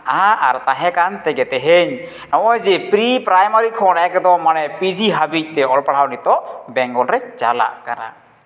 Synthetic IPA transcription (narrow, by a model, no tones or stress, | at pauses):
aaɾt̪aɦɛkant̪ɛɡɛt̪ɛɦeɲ | nɔʔɔjd͡ʒipɾipɾajmaɾikʰɔnakɛd̪ɔmanɛpid͡ʒiɦabic̚t̪ɛɔlpaɽawnit̪ɔʔbɛŋɡɔlɾɛd͡ʒala̰ʔkana̰ʔ